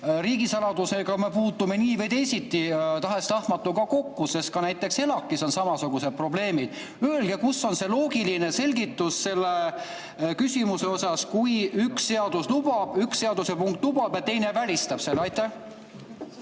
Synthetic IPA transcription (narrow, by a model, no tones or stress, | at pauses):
ɾiːɡ̥isɑlɑd̪use̞ɡ̥ɑme̞puːt̪ːˑume̞niːvejd̪e̞jsit̪ːˑit̪ɑɦe̞st̪ɑhmɑt̪ːˑukɑko̞kːuse̞skɑnæjt̪ːˑe̞kse̞lɑkːˑiso̞nsɑmɑsuɡ̥used̪̚pro̞ble̞ːmid̪̥ | ølɡ̥e̞kusːo̞nse̞lo̞ːɡ̥iline̞se̞lʲɡit̪ːusːe̞lːe | kysʲimuse̞o̞sɑskujyksːe̞ɑd̪uslub̥ɑb̥yksse̞ɑd̪̥usepuŋk̚t̪lub̥ɑb̥jɑt̪e̞jne̞vælʲist̪ɑb̥se̞lːeɑjt̪ːˑæh